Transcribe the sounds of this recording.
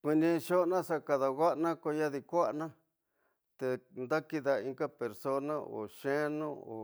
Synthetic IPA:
kʷi˧nĩ˧ʃo˦˧nã˦sa˦ka˧ða˧ɣa˦ʔnã˦ko˧ja˦ði˧kʷa˦ʔnã˦ | t̪e˧nd̪a˦ki˧ða˧i˧ŋka˦pe˨ɾso˦nã˦o̰˨ʃẽ˦nõ˦o̰˨

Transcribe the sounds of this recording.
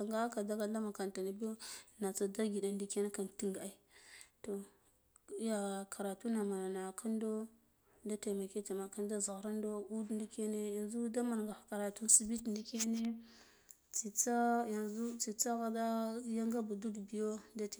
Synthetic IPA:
a˨ŋɡa˦a˦ka˨da˦ɡa˦la˦ma˨ka˨nta˨na˨bi˦jo˦na˨t͡sa˨da˦ɡi˨da˨ndi˦ke˦ne˦ka˨nti˦ŋɡa˨a˨i˦to˨˦ | ja˨kʰa˨ɾa˨tu˦na˨ma˨na˨na˨kʰa˦ndo˦ | da˦te˨ma˨ke˦ta˨ma˨ka˦nda˦za˨ɾa˦ndo˦u˦dn˦di˦ke˦ne˦ja˨nzu˦da˦ma˨n˨ɡa˨ka˨ɾa˨tu˦n˦si˨bi˦tndi˦ke˦ne˦ | t͡si˨t͡sa˦ja˨zu˦t͡si˨t͡sa˦ɣa˨da˦ja˦ŋɡa˦bu˨du˦dbi˨jo˦da˦t

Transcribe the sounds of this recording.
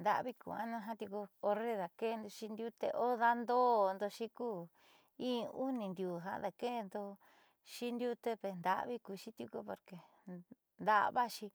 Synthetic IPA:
nd̪a̰˧βi˦kṵ˨a̰˦nũ˦ɦã˦t̪ju˧ko˧o˧ɾe˦ða˨ke˦˧nd̪o˧ʃi˧nd̪ju˦t̪ḛ˧ʔo˦ða˦nd̪o˦nd̪o˧ʃi˦kuː˦˨ | ĩː˦˧u˦nĩ˧nd̪ʲju˨ɦa̰˧˦ða˨ke˦˧nd̪o˧ | ʃi˦nd̪ju˦t̪e˧pe˨nd̪a̰˧˨ʔβi˦ku˧ʃi˦t̪ju˧ko˧po˨ɾke˨ | nd̪a̰˦ʔβa˦ʃi˧

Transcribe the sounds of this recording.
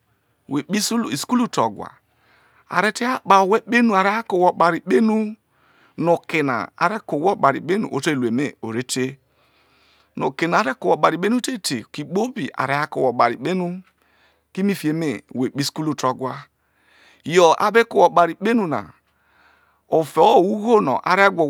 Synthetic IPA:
we˨k͡pi˦ssku˦lu˦tɔ˨ɡwa̰˨ | a̰˨ɾe˦te˦a˦ɓa˨we˦ɓe˦nu˨a˨ɾe˦a˦ko˨wɔ˨ɓa˨ɾi˨ɓe˦nu˦ | no˨kɪ˨na̰˨a̰˨ɾe˦ko˨wɔ˦ɓa˨ɾḭ˨ɓe˦nṵ˨ʔo˨˦te˦˨le˨me˦o˨ɾe˦te˦ | no̰˨ke˨n˨ɾe˦ko˨wo˨ɓa˨ɾi˨ɓe˦nu˦te˦te˨ki˨k͡po˦bi˨ʔa̰˨ɾe˨˦a˦ko˨wo˨ɓa˨ɾḭ˨k͡pe˦nu˦ | ki˦mi˦fi˨e˨me˦˨we˨k͡pi˦sku˦lu˦to˨ɡʷwa˦ | jɔ˨ʔa̰˦be˦ko˨ɔ˨ɓa˨ɾi˨k͡pe˦nu˨na̰˨ | o˨fe˨˦˨wu˦ɣo˦nɔ̰˨ʔa̰˨ɾe˦ɡʷo˨

